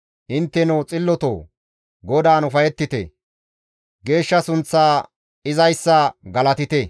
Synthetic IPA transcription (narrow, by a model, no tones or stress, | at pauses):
ʔɪnt̪ːɛnowt͡sʼɪlːɔt̪o̰ː | ɡɔd̪aːnʊfɐjɛt̪ːɪt̪ɛ̰ | ɡe̞ːʃːɐsʊnt͡sːaː | ɪzɐjsːɐɡɐlɐt̪ɪt̪ɛ